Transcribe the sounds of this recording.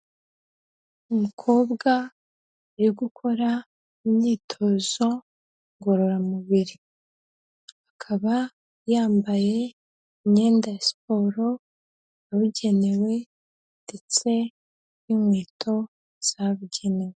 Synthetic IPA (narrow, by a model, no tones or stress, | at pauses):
umukʰo̞ːbɡaː | ɾiɡukʰo̞ɾa | imɲiːtʰo̞zo̞ | ŋɡo̞ɾo̞ɾamuβiɾi | hakʰaβa | jaːmbaje̞ | iɲɲe̞ːndasi̥po̞ːɾo̞ | aβuɟe̞ne̞we̞ | nde̞t͡se̞ | imwiːtʰo̞ | z̥aβuɟe̞ne̞we